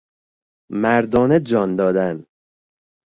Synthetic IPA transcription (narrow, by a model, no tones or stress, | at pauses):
mæɾd̪ɒːned͡ʒɒːnd̪ɒːd̪æn